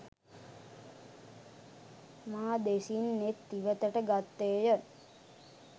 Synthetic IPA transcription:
maːd̪esinːet̪ːiʋət̪əʈəɡat̪ːeːjə

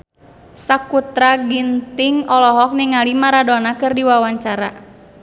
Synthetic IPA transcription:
sakut̪ɾaɡint̪iŋɔlɔɦɔk̚niŋalimaɾadɔnakɨrdiwawaɲt͡ʃaɾa

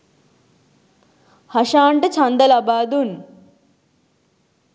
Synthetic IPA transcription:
hɐʃaːɳʈɐt͡ʃʰɐnd̪ɐlabaːd̪un

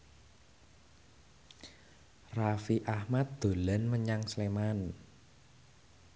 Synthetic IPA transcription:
rafiʔahmat̪̚d̪̥o̤lənməɲaŋsleman

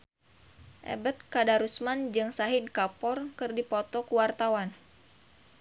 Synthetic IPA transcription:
ʔɛ̰bət̪̚kadaɾusmand͡ʒɨŋsaɦidkapɔrkɨrdipɔt̪ɔkuwart̪awan

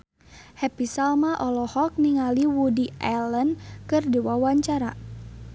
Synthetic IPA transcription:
hɛpisalmaʔɔlɔhɔk̚niŋaliwudiɛlənkɨrdiwawaɲt͡ʃaɾa̰

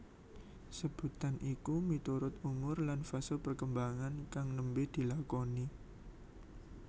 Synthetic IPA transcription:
səb̥ṳt̪anʔikumit̪uɾʊt̪̚umʊrlanfasopərkəmbaŋankaŋnəmbɪd̪̥i̤lakoni

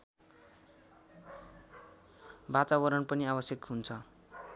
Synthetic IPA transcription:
bat̪abʌɾʌnpʌniabʌsjʌkɦunt͡sʰʌ

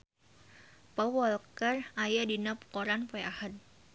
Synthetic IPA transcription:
pəwɔlkərajadinapkoɾanpɔjahən

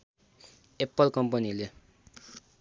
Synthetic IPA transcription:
epːʌlkʌmpʌnile

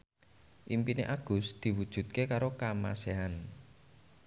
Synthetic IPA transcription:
ʔimpineʔaɡ̥ʊ̤sd̪̥i̤wud̥ʒ̥ṳt̪̚kekaɾokama̰seɦan

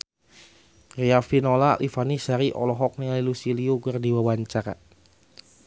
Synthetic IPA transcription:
riafinolalʔifanisaɾiʔɔ̰lɔɦɔk̚nialilusiliuɡərdiwawaɲt͡ʃaɾa̰

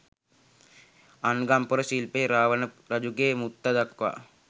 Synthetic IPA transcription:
anɡampəɾəsilpeːɾaːʋɐnə | ɾɐd͡ʒuɡeːmut̪ːɐd̪ɐkʋa̰

